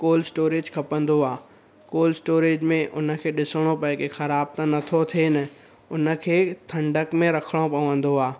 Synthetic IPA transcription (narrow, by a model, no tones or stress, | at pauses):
koːlsʈoːɾeːd͡ʑkʰɐpə̃nd̪oaː | koːlsʈoːɾeːd͡ʑmẽʔʊnə̆kʰeːɗɪsəɽ̃opɐ̃ɪ̃kexɐɾaːb̚t̪ə̃nɐt̪ʰot̪ʰenɐ | ʊnə̆kʰeːt̪ʰɐ̃ɳɖəkmẽɾɐkʰəɽ̃opɐʋə̃n̆d̪oaː